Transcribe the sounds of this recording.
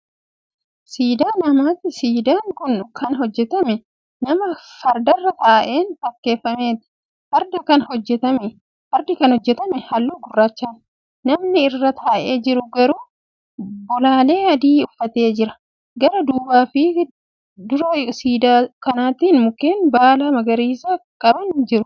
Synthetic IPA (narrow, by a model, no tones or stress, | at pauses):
siːd̪aːnɐmaːt̪ːɪsiːd̪aːŋkʊnkʰɐnɦɔd͡ʒːɛt̪ɐmɛ | nɐmɐfɐɾd̪ɐrːɐt̪aːʔe̞ːnt̪ɐkːe̞ːfːɐme̞ːt̪ɪ̥ | fɐɾd̪ɐkɐnhɔd͡ʒːɛt̪ɐmɛ | fɐɾd̪ɪkɐnhɔd͡ʒːɛt̪ɐmɛhɐlːuːɡʊrːaːt͡ʃːaːn | nɐmnɪɪrːɐt̪ʰaːʔe̞ːd͡ʒɪɾʊɡɐɾuː | bɔlaːle̞ːɐd̪iːʊfːɐt̪e̞ːd͡ʒɪɾɐ | ɡɐɾɐd̪uːbaːfɪ | d̪ʊɾɐsiːd̪aːkɐnaːt̪iːnmʊkeːnbaːlɐmɐɡɐɾiːsakʼɐbɐnd͡ʒɪɾʊ